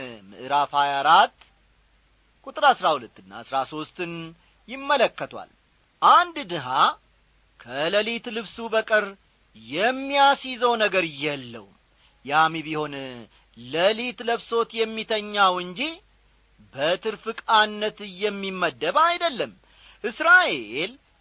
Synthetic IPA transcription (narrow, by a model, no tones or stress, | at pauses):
mɨ̰ʔɨɾafhajaɾat̪ː | kʼut̪ʼɨɾaɨsɾahulət̪ːɨnːa̰ɨsɾaso̞st̪ɨn | jɪmːələkːət̪ʰwa̰l | ʔand̪d̪ɨɦa | kʰələlit̪lɨβsubəkʼɨɾ | jɛmːijasizəwnəɡəɾɨjɛlːə̰w | jamiβiho̞n | ləlit̪ləβso̞t̪jɛmːit̪ʰəɲːawɨɲd͡ʒi | bət̪ʰɨɾfɨkʼanːət̪ɨjɛmːimːəd̪ːəβajd̪əlːəm | ʔɨsɾaʔeel